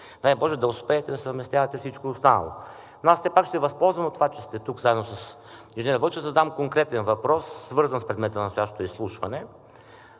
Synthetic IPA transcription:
najbɔʒɛd̪ɐʊspɛːt̪ɛd̪ɐsɐvmɛst̪ʲjavɐt̪ɛfsit͡ʃkoost̪anɐ̰lˠo̰ | noassɛpakʃt̪ɛvɐspɔlˠzvɐmot̪ːovat͡ʃɛst̪ɛt̪ukzaɛd̪nosɐs | iʒniɾavəʃɛzɐd̪amkoŋkɾɛt̪ɛnvɐpɾɔsːvɤɾzɐnspɾɛd̪mɛt̪ənst̪ojaʃt̪o̥t̪oislˠuʃvɐnɛ

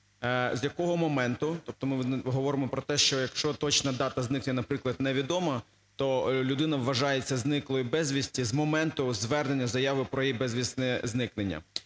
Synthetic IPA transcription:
zʲjɐkɔɦɔmɔmɛnt̪ʊt̪ɔp̚t̪ɔmɪɦɔʋɔɾɪmɔpɾɔt̪ɛʃt͡ʃɔjɐkʃt͡ʃɔt̪ɔt͡ʃnɐd̪ɑt̪ɐznɪknʲɛnɐpɾɪklˠɐd̪nɛʋʲid̪ɔmɐ | t̪ɔlʲʊd̪ɪnɐʋːɐʒɑjet͡sʲːɐznɪklˠɔjʊbɛzʲʋʲisʲtʲizmɔmɛnt̪ʊzʋɛrnenʲːɐzɐjɑʋɪpɾɔjijbɛzʲʋʲisnɛznɪknenʲːɐ̰

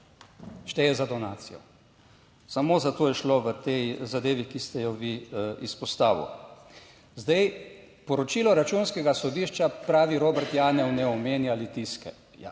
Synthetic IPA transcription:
ʃt̪ɛjɛzad̪ɔnaːt̪sijɔ̰ | samoːzat̪oːjɛʃloʋət̪ejzad̪eːʋikist̪ɛjɔʋiispɔst̪aːʋḭw | zd̪aj | pɔɾɔt͡ʃiːlɔɾat͡ʃunskɛɡasɔd̪iːʃt͡ʃapɾaːʋiɾoːbɛɾt̪jaːnɛwnɛɔmeːnjalit̪iskɛ

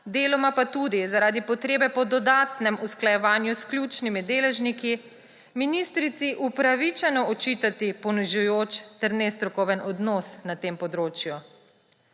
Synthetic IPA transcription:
d̪eːlɔmapat̪ud̪izaɾaːd̪ipɔt̪ɾeːbɛpɔd̪ɔd̪aːt̪nɛmusklajɛʋaːnjusklʲjuːt͡ʃnimid̪eːlɛʒniki | minist̪ɾit̪siʔupɾaʋit͡ʃɛnɔɔt͡ʃit̪at̪ipɔniʒujoːt͡ʃt̪ɛɾnɛst̪ɾɔkɔwʋənɔd̪nɔːsnat̪eːmpɔd̪ɾoːt͡ʃju

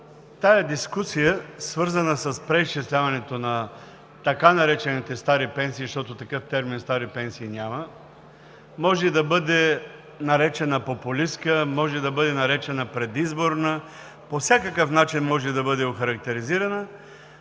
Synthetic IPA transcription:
t̪ajəd̪iskusijəsvɤɾzənəsəspɾɛist͡ʃislʲavɐnɛt̪onɐ | t̪ɐkanɐɾɛt͡ʃɛnit̪ɛst̪aɾipɛnsiːʃt̪ɔt̪ot̪ɐkɤft̪ɛɾminst̪aɾipɛnsiːnʲamə | mɔʒɛd̪ɐbɤd̪ɛ | nɐɾɛt͡ʃɛnəpopʊliskəmɔʒɛd̪ɐbɤd̪ɛnɐɾɛt͡ʃɛnəpɾɛd̪izboɾnə | pofsʲakəkəfnat͡ʃinmɔʒɛd̪ɐbɤd̪ɛoxɐɾɐk̚t̪ɛɾiziɾɐnə

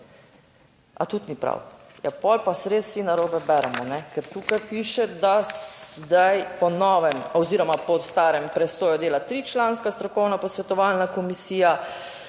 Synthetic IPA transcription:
a̰t̪ut̪nipɾa̰w | japɔlpasɾesːinaɾoːbɛbɛɾɛmɔnɛkɛɾt̪uːkajpiːʃɛd̪azd̪ajpɔnɔːʋɛmɔziɾɔmapɔst̪aːɾɛmpɾɛsoːjɔd̪eːlat̪ɾiːt͡ʃlaːnskast̪ɾɔkɔwnapɔsʋɛt̪ɔʋalnakɔmisiːja

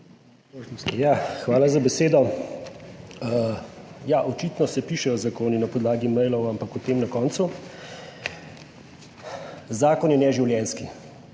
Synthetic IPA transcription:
jaxʋaːlazabɛseːd̪ɔ | jaʔɔt͡ʃit̪nɔsɛpiʃɛjɔzakoːninapɔd̪laːɡimɛjlɔwampakʊt̪eːmnɐkɔːnt̪su | zaːkɔnjɛnɛʒiwljɛnski

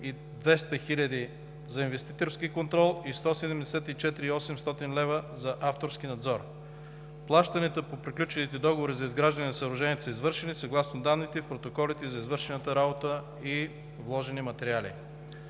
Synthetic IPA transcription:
i | d̪vɛst̪əxilʲɐd̪i | zɐinvɛst̪it̪oɾskikont̪ɾɔlˠist̪ɔsɛd̪ɛmd̪ɛsɛt̪it͡ʃɛt̪iɾiɔsɛmst̪ɔt̪inlɛvəzɐʔaft̪oɾsk̟inɐd̪zɔɾ | plˠaʃt̪ɐnɛt̪əpopɾiklʲut͡ʃɛnit̪ɛd̪ɔɡovoɾizɐizɡɾaʒd̪ɐnʲɛnɐsɐɾʊʒɛniɛt̪əsəizvɤɾʃɛnisɐɡlˠasnod̪anːit̪ɛfpɾot̪okɔlit̪ɛzɐizvɤɾʃɛnət̪əɾabot̪ə | i | vlˠɔʒɛnimɐt̪ɛɾialḭ

